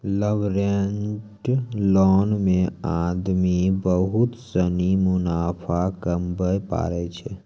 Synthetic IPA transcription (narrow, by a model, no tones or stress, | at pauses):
ləʋɾenʈlɔːnmẽaːd̪mibəɦʊt̪sənimʊnaːpʰakəmbəjpa̰ːɾɛt͡ʃʰɛ